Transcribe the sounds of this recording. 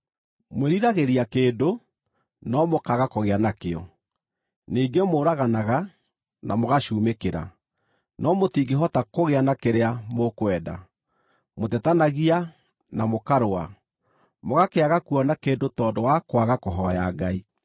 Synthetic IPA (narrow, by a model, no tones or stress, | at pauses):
mweɾiɾaɣeɾiakeːdo | nɔmokaɣakoɣeanakeɔ̰ | niːɡemoɾaɣanaɣa | na̰moɣaʃuːmekeɾa̰ | nɔmotiɡeɦɔtakoɣeanakeɾeamokwɛda̰ | motɛtanaɣia | namokaɾoa | moɣakeaɣakuɔnakeːndotɔːndowakwaɣakoɦɔjaɡai